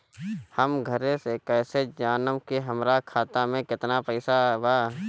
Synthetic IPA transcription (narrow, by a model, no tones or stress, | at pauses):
həmɡʱəɾẽsekɛːsed͡ʒaːnəmkiɦəmɾakʰaːt̪amẽkɪt̪napəɪsabaː